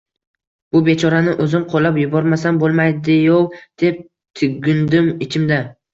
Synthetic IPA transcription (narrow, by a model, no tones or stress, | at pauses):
b̥ʊbe̞t͡ʃʰɒɾanɪʔɵzɪmqʰolːapjʊbɒɾmasanbolˠmajd̪ɪjowd̪̥e̞p̚ | t̪ʰɪɡʲɪnd̪ɪmɪt͡ʃʰɪmd̪a